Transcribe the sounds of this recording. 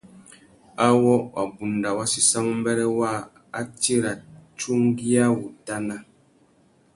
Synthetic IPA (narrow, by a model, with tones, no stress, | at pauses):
a˦wɔ˦wa˨bu˨n˨da˨wa˦si˨sa˦mu˦m˦bɛ˦ɾɛ˦wa˦˨ | a˦ti˦ɾa˨t͡ʃu˦ŋ˦ɡi˦a˦wu˨ta˦na˦